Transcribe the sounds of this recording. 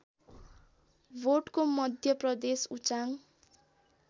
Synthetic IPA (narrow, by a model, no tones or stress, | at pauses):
bʱoʈkomʌd̪ʱjʌprʌd̪esut͡saŋ